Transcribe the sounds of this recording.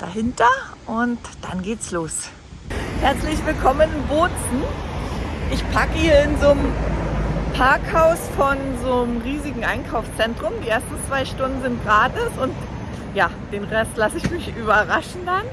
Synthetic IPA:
d̥a̰ɦɪntɐʔʊntd̥anɡeːtsloːs | hɛɐt͡slɪçv̥ɪlkʰɔmənɪnbʊɐt͡sn̩ | ʔɪçpʰakəiːɐɪnzoːm | pʰaɐkhaʊsfɔnzoːmʁiːzɪɡŋ̩ʔa̰ɪnkʰaʊfst͡sɛntʁ̥ʊmdiːʔeːɐstn̩t͡sv̥aɪʃtʊndn̩zɪnt̚ɡ̥ʁaːtɪsʊnt | jaːd̥eːnʁɛstlasɪçmɪçʔyːβɐʁaʃn̩dan

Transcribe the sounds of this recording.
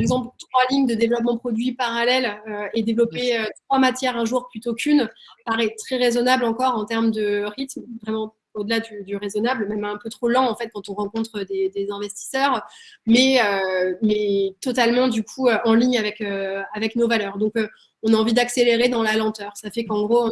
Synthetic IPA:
paʁɛɡzɑ̃plt̪χwaliɲd̪əd̪evlɔp̬mɑ̃pχɔd̪ɥipaʁalɛløed̪evlɔpeøt̪χwamat̪jɛʁɛ̃ʒuʁplyt̪okʲynpaʁɛt̪χɛʁezɔnablɑ̃kɔʁɑ̃t̪ɛʁmd̪əʁit̪mvʁɛmɑ̃ | od̪əlad̪yd̪yʁezɔnablmɛmɛ̃pøt̪χolɑ̃ːfɛt̪̚kɑ̃t̪ɔ̃ʁɑ̃kɔ̃t̪χəd̪ed̪ezɛ̃vɛst̪i̥sœʁmɛømɛt̪ɔt̪almɑ̃d̪ykʰuøɑ̃liɲavɛkøavɛknovalœːʁd̪ɔ̃kø | ɔ̃naɑ̃vid̪akseleʁed̪ɑ̃lalɑ̃t̪œːʁsafɛkɑ̃ɡʁoɔ̃

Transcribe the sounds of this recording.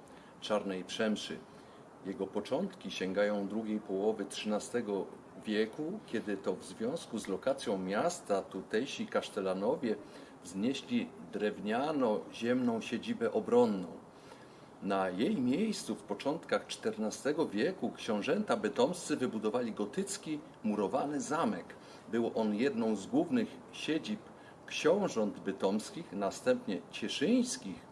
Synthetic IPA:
t͡ʂaɾnɛjpʂɛmʂɘ̰ | jɛɡɔpɔt͡ʂɔnt̪kʲiɕɛŋɡajɔ̃w̃d̪ɾuɡʲejpɔwɔvɘtʂɘnast̪ɛɡɔ | vʲjɛkukʲɛd̪ɘt̪ɔvzvʲjɔ̃w̃skuzlɔkat̪sʲjɔ̃w̃mʲjast̪at̪ut̪ɛjɕikaʂt̪ɛlanɔvʲjɛ | vzɲɛɕlʲid̪ɾɛvɲanɔʑɛmnɔ̃w̃ɕed͡ʑibɛʔɔbɾɔnːɔ̰̃w̃ | najejmʲjejst̪sufpɔt͡ʂɔnt̪kaxt͡ʂt̪ɛɾnast̪ɛɡɔvʲjɛkukɕɔ̃w̃ʐɛnt̪abɛt̪ɔmst̪sɘvɘbud̪ɔvalʲiɡɔt̪ɘt̪skʲi | muɾɔvanɘzamɛk | bɘwʔɔnjɛd̪nɔ̃w̃zɡwuvnɘxɕed͡ʑip | kɕɔ̃w̃ʐɔnd̪bɘt̪ɔmskʲixnast̪ɛmpɲɛt͡ɕɛʂɘj̃skʲix

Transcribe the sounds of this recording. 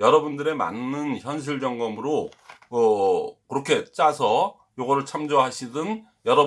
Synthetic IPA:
jʌɾʌbundɯɾe̞ma̰nːɯnçjʌnɕ̬ʰiɭd͡ʑʌŋɡʌmɯɾo | ʌkɯɾʌkʰe̞t͡ɕ͈asʰʌ | joɡʌɾɯɭt͡ɕʰamd͡ʑoɦaɕʰidɯn | jʌɾʌ

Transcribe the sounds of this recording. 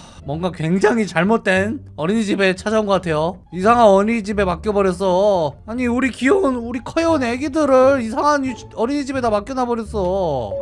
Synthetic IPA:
mwʌŋɡakwe̞ŋd͡ʑaŋit͡ɕaɭmot̚t͈we̞n | ʌɾiɲid͡ʑibe̞t͡ɕʰad͡ʑaunŋɡʌk͈atʰe̞jo | isʰaŋɦanʌɲid͡ʑibe̞mak͈jʌbʌɾjʌs͈ʌaɲiuɾikionuɾikʰʌjouneɡidɯɾɯɾisʰaŋan | ʌɾiɲid͡ʑibe̞damak͈jʌnabʌɾjʌs͈ʌ

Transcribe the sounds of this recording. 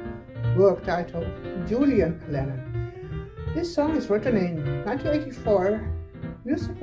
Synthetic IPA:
wɜ˞k̚taʊɾʰʌvd͡ʒuliɨ̃nʰlɛnə̃n | ðɪsɔ̃ŋɨzɹɪtn̩ɪ̃nːãɪ̃ntʰĩneɪɾifɔɹ | mjuzɪk

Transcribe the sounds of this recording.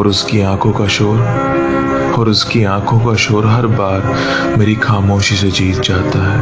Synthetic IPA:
ɔːɾʊskiãːkʰõkaʃoːɾ | ɔːɾʊskiãːkʰõkaʃoːɾɦɐɾbaːɾ | meːɾixaːmoːʃised͡ʒiːt̪̚d͡ʒaːt̪aɦɛː

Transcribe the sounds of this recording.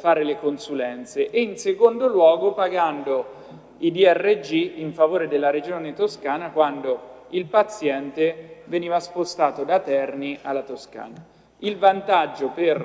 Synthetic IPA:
faːɾelekonsulɛnt̪seʔeinsekond̪olwɔːɡopaɡand̪o | id̪iɛrːed͡ʒiiɱfavoːɾed̪elːaɾed͡ʒoːnet̪oskaːnakwand̪oilpat̪sjɛnt̪eveniːvaspost̪aːt̪od̪at̪ɛrniʔalːat̪oska̰ːna | ilvant̪ad͡ʒːoper

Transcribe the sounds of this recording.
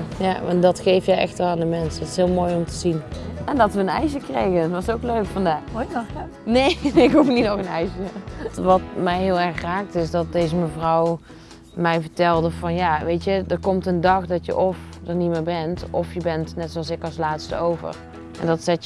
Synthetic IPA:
jaɑndɑtχejfjəjʔɛ̰xtəlˠaːndəmɛnsətɪ̥sɦɪːlˠmoːjɔmtəzinɛndɑtʋəənɛ̰jʃəkrejɣənʋɑsowkløɥkfɑndaːx | nejɪkɦufnitnɔxənɛjʃətʋɑtmɛjɦɪːlˠɛɹχraːk̚tɪsdɑt̚dejzəməvrɑw | mɛjvəɹtɛlˠdəvɑnjaːʋejtədəɹkɔmtəndɑχdɑtjə̰ʔɔfdənitmɪːɹbɛntɔfjəbɛntnɛtsoɑlˠsɪkɑlˠslaːtstəowvə̰r | ɛ̰ndɑtsɛt

